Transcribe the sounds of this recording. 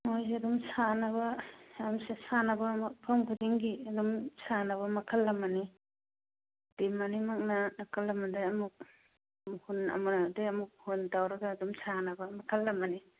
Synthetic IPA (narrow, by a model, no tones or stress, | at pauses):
mojzeɐdumsanɐbɐjamsesanɐbɐmpʰamkʰudiŋɡiɐdumsanɐβɐmɐkʰɐlːɐmɐni | d̥imanimak̚nanakʰɐlːɐmadaɐmuk̚ | hunɐ̰munadeɐmuk̚huntawɾɐɡaːdumsanɐbɐmɐkʰɐlːɐmɐni